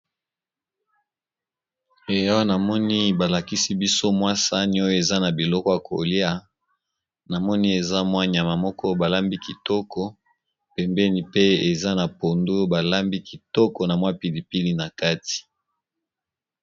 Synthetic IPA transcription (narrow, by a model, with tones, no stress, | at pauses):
e˨jɔ˦na˨mɔ˦ni˦ba˨la˨ki˦si˦bi˦so˦mwa˦sa˦ni˦o˦jɔ˦e˨za˦na˨bi˨lɔ˦kɔ˦ja˨kʰo˨li˦a˦ | na˨mɔ˦ni˦e˨za˦mwa˦ɲ˨a˨ma˨mɔ˦kʰɔ˦ba˨la˦mbi˦ki˨tɔ˦kʰɔ˦ | pɛ˨mbɛ˦ni˨pe˦e˨za˦na˨po˨ndo˦ba˨la˦mbi˦ki˨tɔ˦kɔ˨na˨mwa˦pi˨li˨pi˦li˦na˨ka˦ti̥˨